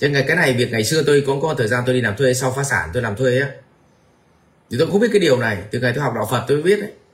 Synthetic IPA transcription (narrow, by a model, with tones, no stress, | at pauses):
t͡ɕe˧nŋa˨˩jkaː˨˦na˨˩jvi˨˩ət̚ŋa˨˩jsɨ˧ət̪o˧jkɔ˨˦kɔ˨˦t̪ʰəː˨˩zaː˧t̪o˧jɗi˧laː˨˩mt̪ʰwe˧sa˧wfaː˨˦saː˧˩nt̪o˧jlaː˨˩mt̪ʰwe˧jʔaː˨˦ | t͡ɕt̪o˧jkŋ͡mi˦˥t̚aː˨˦jɗi˨˩əwna˨˩jvi˨˩kŋa˨˩jt̪o˧jha˨˩ɗɔ̰˧˨˩wfə˨˩t̚t̪o˧jɓi˦˥ət̚ʔə˨˦